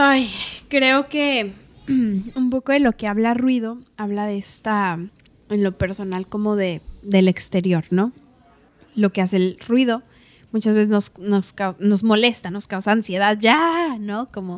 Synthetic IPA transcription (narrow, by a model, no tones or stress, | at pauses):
ajkɾe̞o̞ke̞ | umpo̞ko̞ðelo̞ke̞aβlarwið̞o̞aβ̞laðeest̪a | enlo̞pe̞ɾso̞nalko̞mo̞ðe̞ðe̞le̞kst̪e̞ɾjo̞ɾno̞ | lo̞ke̞ase̞lrwiðo̞ | mut͡ʃazβe̞s̬eznosnoskawno̞zmo̞le̞st̪ano̞skawsaːnsje̞ðaðʝano̞ko̞mo